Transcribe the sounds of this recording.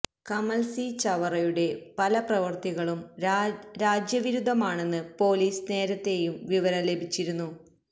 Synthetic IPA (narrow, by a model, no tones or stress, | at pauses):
kɐmɐlsit͡ɕɐʋɐrɐjuɽe̞pɐlɐprɐʋɐrt̪iɣɐɭum | ɾaːd͡ʑjɐʋiɾud̪ʱːɐmaːɳe̞nːɨpo̞ːliːsne̞ːɾɐt̪ːe̞jumʋiʋɐɾɐle̞bʱit͡ɕːiɾunːu